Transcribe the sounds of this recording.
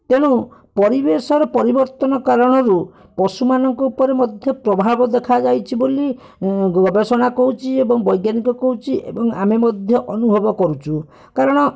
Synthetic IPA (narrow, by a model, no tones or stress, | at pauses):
t̪eɽ̃upɔɾibesɔɾɔpɔɾibɔɾt̪ɔnɔkaɾɔɽ̃ɔɾu | pɔsumanɔŋkɔupɔɾemɔd̪ʱjɔpɾɔbʱabɔd̪ekʰad͡ʒajt͡ʃʰiboli | ɡɔbesɔɽ̃akɔɦut͡ʃʰiebɔŋbɔjɡjanikɔkɔɦut͡ʃʰiʔḛbɔŋa̰memɔd̪ʱjɔʔɔnubʱɔbɔkɔɾut͡ʃʰu | kaɾɔɽ̃ɔ